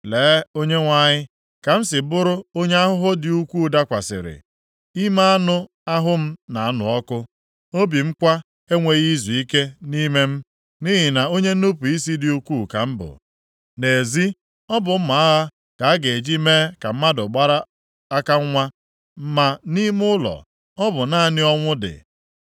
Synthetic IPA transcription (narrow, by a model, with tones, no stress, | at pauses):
leː˨˦o˦ɲe˦ŋʷa˦ɲɪ˦ | ka˨m̩˦sɪ˨bʊ˦ɾʊ˦o˦ɲe˦a˦ɦʊ˦ɦʊ˦dɪ˨u˦kʷu˦˨˦da˦kʷa˨sɪ̰˨ɾɪ̰˨ | i˦ma˦a˦nʊ˦ | a˦ɦʊ˦m̩˦na˨a˦˨nʊ̰˨ɔ˦kʊ˦ | o˦bi˨m̩˦kʷa˦ | e˦ŋʷe˨ɣi˦zu˨i˦ke˦ni˦me˦m̩˦ | ni˦ɦi˨na˨o˦ɲe˦n̩˦u˦pu˨i˦si˦dɪ˨u˦kʷu˦˨ka̰˨m̩˦bʊ̰˨ | ne˨zi˦ | ɔ˦bʊ˨m̩˦ma˨a˦ɦa˦ | ka˨a˦ɡe˨d͡ʒi˦me˦ka˨m̩˦ma˦dʊ˨ɡ͡ba˦ɾa˦ | a˦ka˦ŋ˦ŋʷa˦ | m̩˦ma˦ni˦mʊ˦lɔ̰˨ | ɔ˦bʊ˨na˦˨nɪ˦ɔ˦ŋʷʊ˦dɪ̰˨